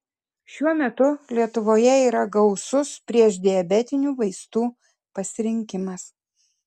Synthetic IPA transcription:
ʃʲuɔmʲɛt̪ʊlʲiɛt̪ʊʋoːjɛiːɾɐɡɒʊsʊspʲɾʲiɛʒd̪ʲɪjɐbʲɛt̪ʲɪnʲuːʋɐɪst̪uː | pɐsʲɪɾʲɪŋʲkʲɪmɐs

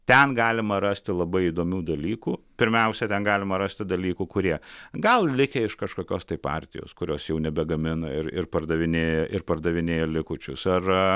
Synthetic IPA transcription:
t̪ʲɛnɡɑːlʲɪmɐɾɑːsʲt̪ʲɪlˠɐbɐɪid̪oːmʲuːd̪ɐlʲiːkuːpʲɪɾʲmʲɛʊsʲɛt̪ʲɛnɡɑːlʲɪmɐɾɑːsʲt̪ʲɪd̪ɐlʲiːkukʊɾʲiɛɡɐlˠlʲɪkʲɛɪʃkɐʃkoːkʲoːst̪ɐɪpɑ̰ːrʲt̪ʲɪ̰jo̰ːskʊɾʲoːsjɛʊnʲɛbʲɛɡɐmʲɪnɐɪɾɪ̰rpɐrd̪ɐʋʲɪnʲeːjɛʔɪrpɐrd̪ɐʋʲɪnʲeːjɛlʲɪkʊt͡ʃʲʊsɐr

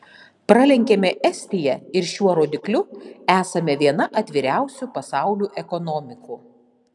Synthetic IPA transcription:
pɾɐlʲɛŋʲkʲɛmʲɛʔɛsʲt̪ʲɪjɛɪɾʃʲuɔɾoːd̪ʲɪklʲʊæːsɐmʲɛʋʲiɛnɐʔɐt̪ʲʋʲɪɾʲæˑʊsʲupɐsɑˑʊlʲuːʔɛkɔnɔmʲɪkuː

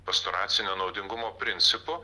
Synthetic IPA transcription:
pɐst̪onɑːt̪sʲɪnʲoːnɒʊd̪ʲɪŋɡʊmoːpʲɾʲɪnʲt̪sʲɪpʊ

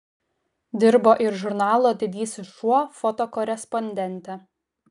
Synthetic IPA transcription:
d̪ʲɪɾboːʔɪɾʒʊɾnɑːlˠoːd̪ʲɪd̪ʲiːsʲʊʃuɔfɔt̪oːkɔɾʲɛspɔnʲd̪ʲɛnʲt̪ʲæ

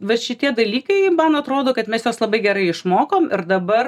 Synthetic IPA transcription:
ʋɐʃʲɪt̪ʲiɛd̪ɐlʲiːkɐɪmɐnɐt̪ɾoːd̪oːkɐt̪mʲɛsjoːslˠɐbɐɪɡʲɛɾɐɪɪʃmoːkoːmɪɾd̪ɐbɐr

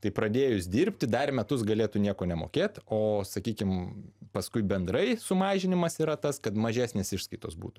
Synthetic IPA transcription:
t̪ɐɪpɾɐd̪ʲeːjʊsʲd̪ʲiːɾʲpʲt̪ʲɪd̪ɐrmʲɛt̪ʊsɡɐlʲeːt̪unʲiɛkoːnʲɛmo̰ːkʲeːt̪oːsɐkʲiːkʲɪmpɐskʊɪbʲɛnd̪ɾɐɪsʊmɑːʒʲɪnʲɪmɐsiːɾɐt̪ɐskɐt̪mɐʒʲæːsʲnʲeːsɪʃskɐɪt̪o̰ːsbṵːt̪ʊ̥

